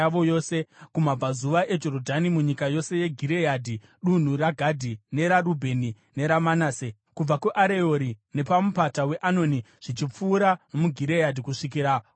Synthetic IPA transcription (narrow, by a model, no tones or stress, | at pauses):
aʋojo̞ːsekumab͡vazuʋaʔe̞d͡ʒo̞rodʱanimuɲikajo̞se̞je̞ɡʱiɾe̞jadʱi | ɗun̤uraɡʱadʱine̞ɾaɾubʱe̞ni | ne̞ɾamanaːse | kub͡vakuʔaɾe̞oɾinepamupatawe̞ʔano̞ni | ʐ̥it͡ʃip͡fuːɾaomuɡʱiɾejadʱikuʂik̬iɾa